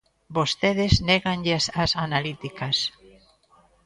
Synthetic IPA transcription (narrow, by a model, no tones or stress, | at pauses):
bost̪eðezneɣaŋʎesasanalit̪ikɐs